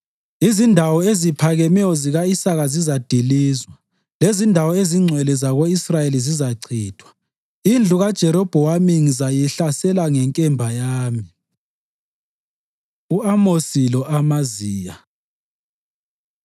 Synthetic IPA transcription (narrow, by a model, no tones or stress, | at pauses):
izindʱawɔezipʰaɣɛmɛjɔziɣaisaɣazizad̥ʱiliːzwa | lezindʱawɔeziŋ͡ǀʱwɛlɛzaɣoisrajelizizaǀʰiːd̥ʰʱwḁ | ind͡ɮʱuɣad̥ʒ̥ʱɛɾɔb̥ʱɔwamiŋizajiɬasɛlaŋɛŋkʼɛmbʱajaːmi | uamosilɔʔamaziːja